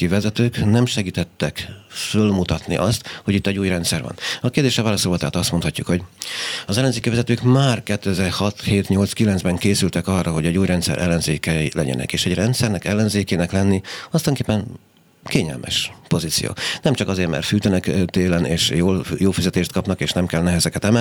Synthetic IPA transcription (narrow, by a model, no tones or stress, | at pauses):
kivɛzɛt̪øːknɛmʃɛɡiːt̪ɛt̪ːɛkfølmut̪ɒt̪nḭʔɒst̪ho̞ɟit̪ːɛɟuːjrɛnt̪sɛrvɒ̰nɒkeːrd̪eːʃɛvaːlɒsolvɒt̪aːt̪ɒst̪mo̞nt̪hɒcːukhoɟɒzɛlːɛnzeːkivɛzɛt̪øːkmaːrkɛt̪ːøɛzɛrhɒt̪heːt̪ɲo̞lt̪skilɛnzbɛŋkeːsylt̪ɛkɒrːɒɦo̞ɟɛɟuːjrɛnt̪sɛ̰ɾʔɛ̰lːɛnzeːkɛlɛ̰ɟɛ̰nɛ̰keːʃɛɟrɛnt̪sɛrnɛkɛlːɛnzeːkeːnɛklɛnːiɒst̪oŋkeːpːɛn | keːɲɛ̰lmʔɛ̰ʃpo̞zit̪sḭjo̰ːnɛmt͡ʃɒkɒzeːrmɛ̰rt̪fyːt̪ɛnɛkt̪eːlɛneːʃjoːljoːlfizɛt̪eːʃt̪̚kɒpnɒkeːʃnɛmkɛlnɛɦɛzɛkɛt̪ɛmɛ